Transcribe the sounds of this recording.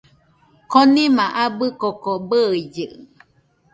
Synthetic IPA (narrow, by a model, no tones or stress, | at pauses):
konĩmãʔabɨkokobəid͡ʒɨʔ